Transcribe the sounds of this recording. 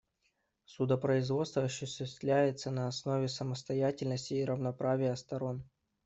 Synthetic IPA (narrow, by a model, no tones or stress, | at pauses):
sʊd̪əpɾəɪzvo̞t̪st̪vəɐɕʊɕʲɪsʲt̪lʲæjɪt̪sənəɐsno̞vʲɪsəməst̪ɐjætʲɪlʲnəsʲtʲɪːɾəvnɐpɾavʲɪjəst̪ɐɾo̞n